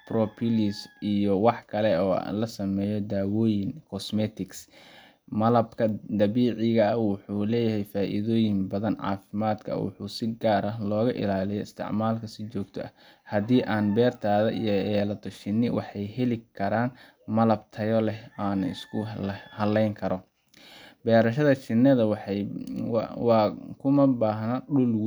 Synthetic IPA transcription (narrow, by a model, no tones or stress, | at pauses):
prɔpʰɪlisijɔwɑħkʰɐlɛɔ̰ːlɐsɐmɛːjɔd̪aːwɔːjɪnkʰɔsmɛt̪ʰɪks | mɐlɐbkʰɐd̪ɐβiːʕɪɣɐɐwʊħuːlɛːjɐɦɛjfaːʔɪ̰ðɔːjɪmbɐðɐnʕɑ̰ːfɪmaːd̪kʰɐ̰wʊ̰ħṵːsɪɡaːɾɐlɔːɣɐʔɪ̰laːlɪjɔɪst̪ʰɪ̰ʕmaːlkʰɐsɪt͡ʃɔːɡt̪ʰɔ̰ʔɐ | hɐdiːʔaːnbɛːrt̪ʰaːðɐ̰ʔḭjɔɛːlɐt̪ʰɔʃɪnːɪwɑħɑjɦɛlɪkʰɐɾaːn | mɐlɐb̚t̪ʰɐjɔlɛaːnɪ̰skʰʊhɐlɛjŋkʰɐɾɔ | bɛːɾɐʃɐðɐt͡ʃɪnːɐðɐw | wkʰʊmɐbaːɦnɐɖʊlw